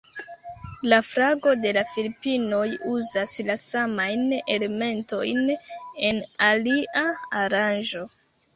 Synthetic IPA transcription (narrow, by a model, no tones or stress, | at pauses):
lafɾaɡo̞de̞lafilipino̞juzaslasamajne̞le̞me̞nto̞jne̞naliʔaaɾanʒo̞